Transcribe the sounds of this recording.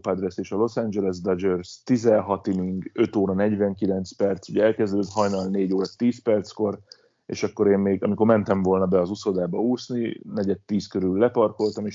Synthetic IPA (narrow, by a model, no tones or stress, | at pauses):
pad̪rɛseːʃɒlo̞sand͡ʒɛlɛs̬d̪ɒd͡ʒørst̪izɛɦɒt̪imiŋɡø̞t̪oːɾɒnɛɟʋɛŋkilɛnt̪spɛrt̪suɟɛɛlkɛzd̪øt̪ɦɒjnɒlneːɟoːɾɒt̪ːiːspɛrt̪sko̞r | ḛːʃɒkːo̞ɾeːmmeːɡɒmiko̞rmɛnt̪ɛɱvo̞ːlnɒbɛɒzuso̞d̪aːbɒuːsninɛɟɛt̪ːiːskøɾylːɛpɒrko̞lt̪ɒmeːʃ